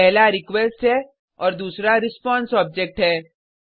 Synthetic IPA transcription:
ɛɦlaɾɪkʋɛsʈɦɛ | ɔːɾd̪uːsɾaɾɪspɔ̃ːnsɔːb̚d͡ʒɛk̚ʈɦɛː

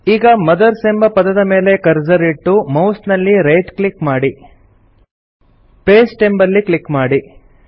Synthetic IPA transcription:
iːɡɐmɐd̪ɐɾsembɐpɐd̪ɐd̪ɐme̞ːle̞kɐɾd͡ʒɐɾiʈːumɐwsnɐlːiɾejʈkɭikmaːɽi | peːsʈe̞mbɐɾlːikɭikmaːɽi

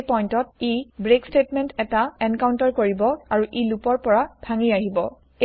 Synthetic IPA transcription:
pɔjntɔt̚ibɹekstetmɛntɛtaɛnkaw̃ntɔɹkoɹibɔaɹuʔilupɔɹpɔɹabʱaŋijaɦibɔ | e

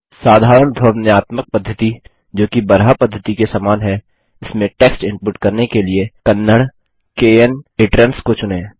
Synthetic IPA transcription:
saːd̪ʱaːɾəɳ̃d̪ʱoːɾnjaːt̪mək̚pɐd̪ʱːət̪i | d͡ʒoːkibɐɾɦapɐd̪ʱːət̪ikesaːmaːnɦɛ | ɪsmẽʈeːksʈɪ̃mpʊʈkɐɾnekeliekɐnːəɽ | keːəneːʈɾənskot͡ʃʊnẽː

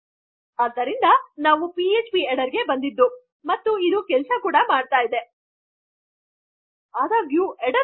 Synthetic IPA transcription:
aːd̪ːɐɾind̪ɐnaːʋupiet͡ʃpieɽɐɾɡe̞bɐnd̪id̪ːu | mɐt̪ːuid̪uːkɛlɐsɐkuːɽɐmaːɖ̚t̪aːjid̪e̞ | aːd̪aːɡjuʔeɽɐ

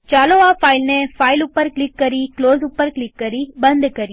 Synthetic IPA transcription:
t͡ʃɐloːaːfɐɪlnefɐɪlʊpːɐɾklɪkːɐɾikloːsʊpːɐɾklɪkːɐɾibɐnd̪ɯkːɐɾi

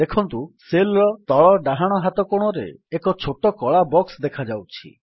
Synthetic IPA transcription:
d̪ekʰɔnt̪uselɾɔt̪ɔɭɔɖaɦaɽ̃ɔɦat̪ɔkoɽ̃ɔɾḛekɔt͡ʃʰoʈɔkɔɭabɔksd̪ekʰad͡ʒawt͡ʃʰḭ

